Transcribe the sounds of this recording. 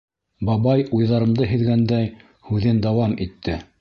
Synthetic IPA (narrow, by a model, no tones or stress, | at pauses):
bɑbɑjujðɑɾɤ̆md̪ɤɦɘ̆ðɡænd̪æj | hʉðɘnd̪ɑwɑmit̪ʰːɘ